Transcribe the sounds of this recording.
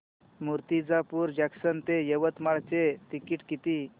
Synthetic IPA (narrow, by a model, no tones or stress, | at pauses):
muɾt̪id͡zapuːɾd͡ʑaksənt̪ejəʋət̪maɭt͡set̪ikiʈkit̪i